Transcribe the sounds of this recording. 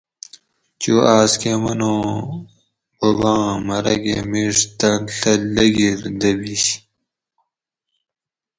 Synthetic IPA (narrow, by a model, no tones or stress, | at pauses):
t͡ɕuːʔaːskemɐnõː | bɐbãːmɐɾɐ̰ɡḛːmiʂt̪ɐnɬɐlɐɡiɾd̪ɐbiɕ